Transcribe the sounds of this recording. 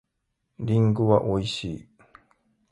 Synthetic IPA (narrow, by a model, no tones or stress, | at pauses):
ɾʲiŋɡɯβaʔoiɕi